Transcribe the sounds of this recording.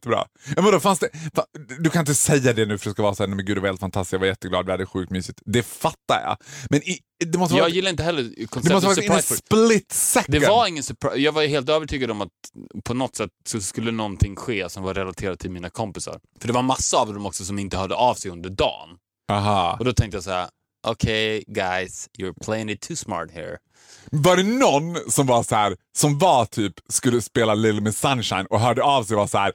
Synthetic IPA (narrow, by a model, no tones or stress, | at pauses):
t̪ːəbɾɑ̰ː | jaːvɛvd̪ɔːfansd̪ɛfad̪ɵkʰanɪnt̪əsɛjːad̪ɛnʉ̟ːfœɾdɛskavɑːɾasæːɾnɛmɛnɡʉːd̪ɛvaheːlt̪fant̪ʰast̪ɪ̥sjavajɛt̪ːəɡlɑːd̪vɪhad̪ːəɧʉ̟ːkt̪myːsɪt̪d̪ɛfat̪ːajɑ̰mɛnɪ | d̪ɛmɔst̪ːɑːɡjɪlːaɾɪnt̪əɦɛlːəɾkʰɔnsd̪ɛmmɔst̪əafk̪t̪sɪːfplɪt̪ːsɛkd̪ɛvaɾɪŋːənsɛpʰɾajɑːɡvajɦeːlt̪øːvəʈʰyːɡad̪əɔmat̪pʰɔnɔt̪sɛt̪ːsɔskɵlːənɔnt̪ʰɪŋːɧeːsɔmvaɾɛladt̪ʰeːɾad̪ət̪ʰɪlmiːnakʰɔmpɪsa̰ɾfœɖɛvaɾmasːaːvd̪ɔmɔksɔsɔmɪnt̪əhœːɖ̪əʔɑvsɛjɵnd̪əɖɑ̰ːn | ɑɦɑɔd̪ɔt̪ʰɛŋkt̪əjas̬hæ̰ɾ | ʔokʰeɪɡaɪsjɔɹpʰleɪɪ̃ŋɪt̪ʰːʉːsmɑ̰ɹt̪hḭːɹ | vaɖɛnɔnsɔmvasɔhæːɾ | sɔmvat̪ʰyːpskɵlːəspeːlalɪlmɪsanʃaɪnɔɦœːɖəɑvsɛjvasɔhæːɾ